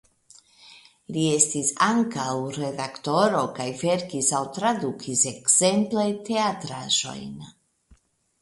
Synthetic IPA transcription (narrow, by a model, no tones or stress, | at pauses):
lie̞stisaŋkawɾe̞dakto̞ɾo̞kajve̞ɾkisawt̪ɾad̪ukʰise̞kz̥e̞mplete̞atɾaʒo̞̰jn